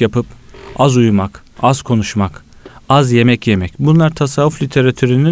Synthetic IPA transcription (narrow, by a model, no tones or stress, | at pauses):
japɯpazujmak | az̥kʰo̞nuʃmak | azje̞mɛcjemɛcbunlˠaɾt̪ʰasaːuflʲit̪ʰe̞ɾat̪ʰyɾyni